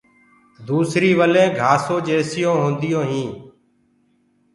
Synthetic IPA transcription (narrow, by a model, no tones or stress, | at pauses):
d̪uːsɾiːʋəlẽːɡʱaːsõːd͡ʒeːsɪjõːɦõːnd̪ɪjõːɦĩː